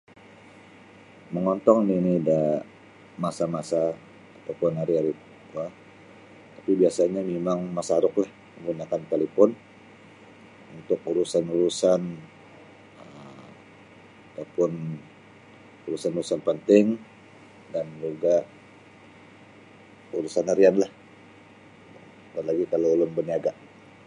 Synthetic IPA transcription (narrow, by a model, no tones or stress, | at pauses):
məŋɔnt̪ɔŋninida | masamasaː | t̪awpʊnɦaɾiaɾi | ua | t̪apibiasaɲamemaŋmasaɾʊklah | məŋɡunakant̪alepɔn | unt̪ʊk̚uɾusanuɾusan | ə | at̪awpʊn | uɾusanuɾusanpənt̪ɪŋ | dand͡ʒuɡaʔ | uɾusanaɾianlah | apanlaɡikalawlʊmbəniaɡa